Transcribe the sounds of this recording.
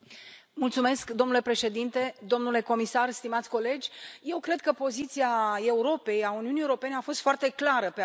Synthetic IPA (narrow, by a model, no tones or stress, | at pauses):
mult̪sume̞skd̪omnule̞pɾe̞ʃe̞d̪int̪e̞d̪o̞mnule̞ko̞misarst̪imat̪sʲko̞le̞d͡ʒʲje̞wkɾe̞d̪̚kəpo̞zit̪siae̞uɾo̞pe̞jauniunijeuɾope̞ne̞afo̞st̪foart̪e̞klaɾəpe